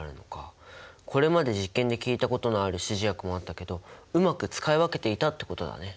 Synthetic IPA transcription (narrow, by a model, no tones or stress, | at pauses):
ɾɯ̟no̞kakʰo̞ɾe̞mad̪e̞ʑikːẽ̞nd̪e̞kʲiːt̪ako̞t̪o̞noaɾɯ̟ɕiʑijakɯ̟mo̞at̪ːake̞d̪o̞ɯ̟makɯ̟t͡sɨ̥kaiβake̞t̪e̞it̪at̪ːeko̞t̪o̞d̪a̰ne̞